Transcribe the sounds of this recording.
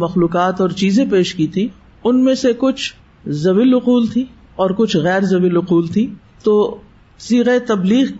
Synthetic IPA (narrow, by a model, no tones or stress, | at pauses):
mɐxluːkaːt̪ɔːɾt͡ʃiːzẽpeːʃkit̪ʰĩ | ʊnmẽsekʊt͡ʃʰ | zɐʋɪlʊquːlt̪ʰĩ | ɔːɾkʊt͡ʃʰɣɛːɾzɐʋɪlʊquːlt̪ʰĩː | t̪oː | siːɣaet̪ɐbliːɣ